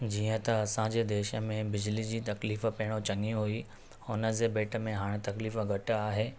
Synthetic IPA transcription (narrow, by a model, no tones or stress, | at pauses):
d͡ʑiːə̃t̪ɐɐsãd͡ʑeːd̪eːʃəmẽbɪd͡ʑlid͡ʑiːt̪ɐkliːfə̆pɐɦɪɽ̃ot͡ɕɐŋiɦui | ʊnə̆d͡ʑeːbeːʈʰə̆mẽɦaːɽ̃t̪ɐkliːfəɡʱɐʈaːɦeː